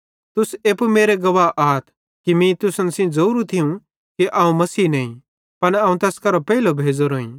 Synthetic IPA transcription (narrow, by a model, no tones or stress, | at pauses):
t̪ʊseːpmeːɾeɡɐʋaʔaːt̪ʰ | kimĩt̪ʊsənsĩd͡zɐuːɾũt̪ʰiũ | kiʔaːũmɐsiːnɐːĩ | pɐnaːũt̪ɛːskɐɾopɛːilobʱeːd͡zoɾoːḭ̃ː